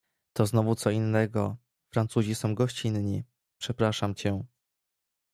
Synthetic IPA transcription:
t̪ɔznɔvut̪sɔinːɛɡɔ | fɾant̪suʑisɔ̃w̃ɡɔɕt͡ɕinɲi | pʂɛpɾaʂamt͡ɕɛ

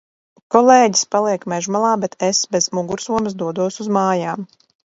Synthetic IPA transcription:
kɔlˠeːɟi̥spalˠiɛkmɛʒmalˠaːbɛt̪ʰesbezmuɡuɾsuɔms̬d̪uɔd̪uɔsuzmaːjaːm

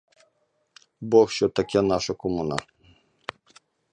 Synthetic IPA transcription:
bɔxʃɔt̪ɐkʲɛnaʃɐkɔmuna̰

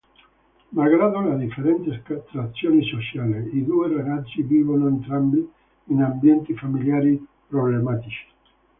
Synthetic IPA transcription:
maɣɾaðolaðifeɾent̪esat̪ɾat̪sjonisosjaleiðuerenad͡ʒibiβonoent̪ɾambiː | nambjent̪ifamiljaɾipɾoβlemat̪it͡ʃi̥

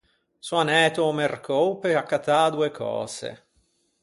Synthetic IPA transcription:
suanɛːt̪omerkowpeakːat̪ad̪uːekʰɔ̰ːsḛ

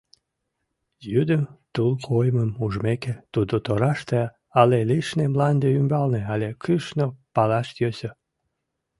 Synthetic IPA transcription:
jyd̪əmt̪ulkʰojməmuʒmeket̪ud̪ot̪oɾɑʃt̪e | ɑleliʃnemlɑnd̪eymbɑlneɑlʲekɨʃnopɑlɑʃt̪jøsø

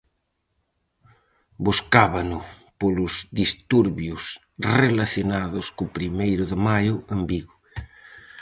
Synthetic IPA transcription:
buskaβanʊpolʊzðist̪uɾβjʊs | relaθjonaðʊskʊpɾimejɾʊðɪmajʊɐmbiɣʊ

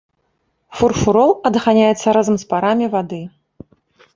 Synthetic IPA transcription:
furfuɾɔlˠɐd̪ɣanʲajɛt̪sːɐɾazɐmspaɾamʲivad̪ɨ

